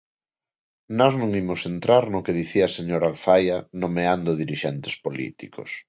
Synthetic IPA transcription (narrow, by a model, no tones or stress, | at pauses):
nɔznũŋimʊsent̪ɾaɾnʊkeð̞iθiaseɲoɾalfajanomeand̪ʊðiɾiʃent̪espolḭt̪ḭko̰s